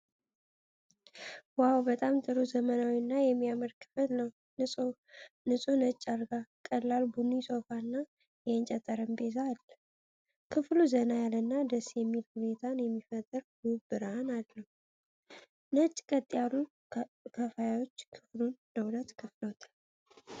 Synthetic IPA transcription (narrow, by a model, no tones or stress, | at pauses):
wawbət̪ʼamt̪ʼɨɾuzəmənawinːajɛmːijaməɾkʰɨfɨlʼ | nɨsʼunət͡ʃʼːaɾɡakʼəlːalbɨnusʰo̞fanːa | jɛənt͡ʃʼɛt̪ʼəɾəmbezaːlːə | kʰɨfluzənajalənːad̪əsjɛmːilhɨnet̪ʰanjɛmːifət̪ʼːɨɾɡubɨɾanalːəhu | nət͡ʃʼːkʼət̪ʼːijalːu | kʰəfajawo̞t͡ʃːkʰɨflunːəwlət̪kʰɨfləwot̪ʰal